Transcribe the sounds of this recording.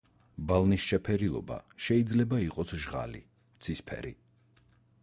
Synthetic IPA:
balˠnisʃɛpʰɛɾilˠɔ̰ba̰ʃɛid̪zlɛbaiqʼɔsʒʁa̰lḭ | t̪sʰispʰɛ̰ɾḭ

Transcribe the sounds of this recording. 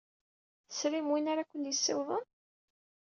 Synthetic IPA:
sɾimwinaɾakʷːənjəsːɪwðˤən

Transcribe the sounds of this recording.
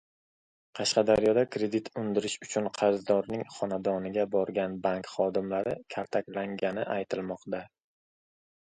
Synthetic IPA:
qʰɑʃqɑd̪aɾjɒd̪akʰɾe̞d̪it̪ʰʊnd̪ɪɾɪʃʊt͡ʃʰʊnqʰɑɾzd̪ɒɾnɪŋχɒnad̪ɒnɪɡʲabɒɾɡʲanbaŋkχɒd̪ɪmlaɾɪkʲʰaɾt̪ʰakʲlaŋɡʲanɪʔajt̪ʰɪlmɒqt̪a

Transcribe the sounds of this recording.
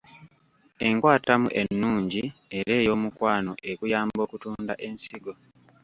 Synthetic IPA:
e̞ŋkwaːtamṵʔe̞nːuːɲɟie̞ɾe̞ːjo̞ːmukwaːnoʔe̞kujaːmbo̞ːkutuːnda̰ʔe̞nsiɡo̞

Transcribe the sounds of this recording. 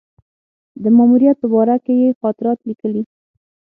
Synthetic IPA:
d̪əmɑmuɾijat̪̚pəbɑɾakejexɑt̪ɪɾɑt̪likəli

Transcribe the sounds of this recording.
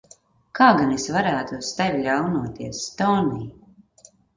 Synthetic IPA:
kaːɡanesvaɾæːt̪ust̪ɛvʲlʲawnuɔt̪iɛsːt̪ɔːniː

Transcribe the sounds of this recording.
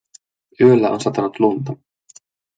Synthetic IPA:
øːlaʔɔnsat̪anut̪lunt̪a

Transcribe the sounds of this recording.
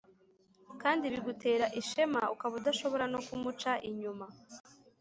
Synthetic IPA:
kaːndiβiɡute̞ːɾaʔiʃe̞maukaβudaʃo̞βo̞ɾano̞kumut͡ʃaʔiɲuma

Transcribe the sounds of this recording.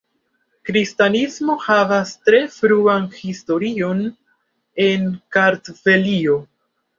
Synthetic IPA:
kɾistanismo̞havastɾe̞fɾuanhisto̞ɾio̞n | e̞nkaɾtve̞lio

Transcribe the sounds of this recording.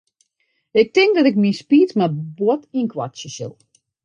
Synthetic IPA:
ɪk̚tɪŋk̚dɔtɪk̚mispiːtmabtinkʰwa̰sjəsɪ̰lˠ

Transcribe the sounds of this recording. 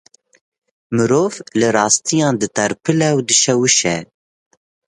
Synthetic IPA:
mɨɾoːvlɨrɑːst̪ijɑːnd̪ɨt̪ʰɛɾpʰɨlɛwd̪ɨʃɛwɨʃɛ

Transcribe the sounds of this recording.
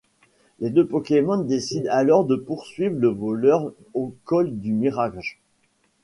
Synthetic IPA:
led̪øpɔkʲemɔ̃nd̪esid̪alɔʁd̪əpuʁsɥivʁləvɔlœʁ | okɔld̪ymiʁaʒ

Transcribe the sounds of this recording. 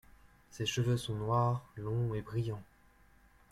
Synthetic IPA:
seʃəvøsɔ̃nwaʁlɔ̃ebʁijɑ̃

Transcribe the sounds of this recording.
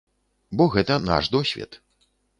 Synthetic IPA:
bɔɣɛt̪ɐna̰ʂd̪ɔsʲvʲɛ̰t̪

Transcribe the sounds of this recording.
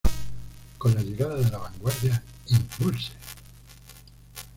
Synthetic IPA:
kõ̞nlaʎeɣaðaðe̞laβaŋɡwaɾðjaimbulse̥

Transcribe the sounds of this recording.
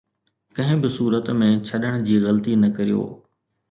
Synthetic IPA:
kɐ̃ɦɪ̃bɪsuːɾət̪mẽt͡ɕʰɐɗəɽ̃d͡ʑiːɣɐlt̪inɐkɐɾijo̰ː

